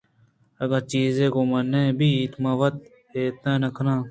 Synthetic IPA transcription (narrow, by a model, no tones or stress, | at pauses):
ɐɡɐɾt͡ʃiːzẽːkoːmɐnːẽːbʱiːt̪mãːʋɐt̪̚ | eːt̪ãːnɐkʰnãː